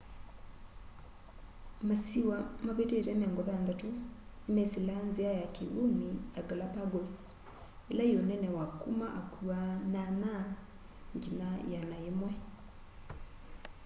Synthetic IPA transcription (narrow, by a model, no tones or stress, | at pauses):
masiwamaβetetɛmɛŋɡɔðandatonemesilanzeajakewunijaɡalapaɡɔs | elaionɛnɛwakumaʔakuanana | ŋɡinajanaemwɛ